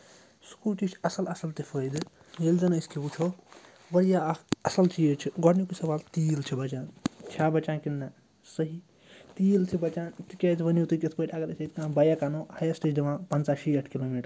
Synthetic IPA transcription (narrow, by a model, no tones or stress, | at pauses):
skuːʈit͡ʃʰɐsɐlɐsɐlt̪epʰəjd̪ | jelzɐnɐskʰebut͡ʃʰo | bɐɾjaɐsɐlt͡ʃiet͡ʃʰiɡɔɽnjukusɐʋaːlt̪iːlt͡ʃʰibɐt͡ʃaːnt͡ʃʰaːbɐt͡ʃãnkinːa | səɦi | t̪iːlt̪ʰibɐt͡ʃaːnt̪ikʲet̪ʰbɐnjut̪ukʲet̪ʰpʰəʈ̪ʲaɡɐɾesʰeit̪kãːbɐjakanohɐjasʈet͡ʃdimãpɐnt͡saʃieʈʰkiloːmiːʈ